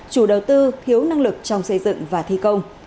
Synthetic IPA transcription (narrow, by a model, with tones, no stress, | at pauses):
t͡ɕu˧˩ɗə˨˩wt̪ɨ˧t̪ʰi˨˦əwna˧ŋlɨ˨˩k̚t͡ɕɔ˧wŋ͡msə˧jzɨ̰˧˨ŋvaː˨˩t̪ʰi˧kə˧wŋ͡m